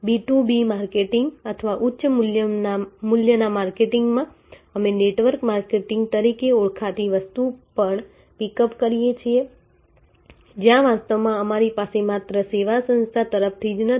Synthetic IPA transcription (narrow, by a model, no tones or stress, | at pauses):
biʈubimaɾkeʈɪŋɡət̪ʰəʋaʔʊtːʃəmʊljəmʊljənamaɾkeʈɪŋɡmã | əmeneʈʋəɾkmaɾkeʈɪŋɡ̚t̪əɾikeuɭkʰat̪iʋəst̪upəɳ | pikəpkəɾijet͡ʃʰie | d͡ʒjãʋast̪əʋmãəmaɾipasemat̪ɾəseʋasə̃nst̪ʰat̪əɾəp̚ʰt̪ʰid͡ʒnə